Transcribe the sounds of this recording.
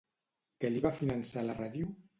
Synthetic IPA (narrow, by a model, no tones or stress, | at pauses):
kəliβafinənsalaraðju